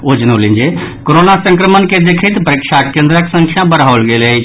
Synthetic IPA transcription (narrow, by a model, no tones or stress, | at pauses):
od͡ʒnolind͡ʒe | koɾonasə̃ŋkɾəmənked̪ekʰət̪pɾikʃakend̪ɾəksə̃ŋkʰjabəɽaʋəlɡele